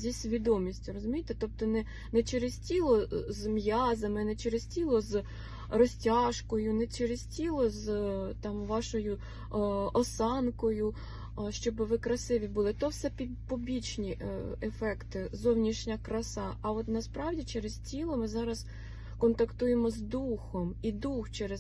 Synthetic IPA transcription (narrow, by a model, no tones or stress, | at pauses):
zʲisʲʋʲid̪ɔmʲisʲtʲʊɾɔzʊmʲijt̪ɛt̪ɔp̚t̪ɔnɛ | nɛt͡ʃeɾɪztʲilˠɔzmjɑzɐmɪnɛt͡ʃeɾɪz̥tʲilˠɔz | rɔsʲtʲɑʃkɔjʊnɛt͡ʃeɾez̥ʲtʲilˠɔzt̪ɑmʋɑʃɔjʊ | ɔsɑnkɔjʊ | ʃt͡ʃɔbɪʋɪkɾɐsɪʋʲibʊlˠɪt̪ɔwsɛpʲi | pɔbʲit͡ʃnʲiefɛkt̪ɪzɔwnʲiʃnʲɐkɾɐsɑɐɔt̪nɐspɾɑwdʲit͡ʃɛɾɪztʲilˠɔmɪzɑɾɐs | kɔnt̪ɐkt̪ujemɔzd̪uxɔmid̪uxt͡ʃɛɾez